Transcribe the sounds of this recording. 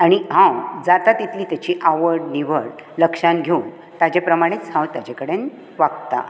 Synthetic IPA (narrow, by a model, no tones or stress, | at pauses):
aɽ̃iɦãwd͡zat̪at̪it̪ʰliːt̪jat͡ɕiːʔaʋəɾɽniʋəɽ | ləkʂanɡʱeun | t̪ad͡ʑepɾəmaɽ̃et͡sɦãwt̪jad͡ʑekəɽen | ʋaɡt̪a̰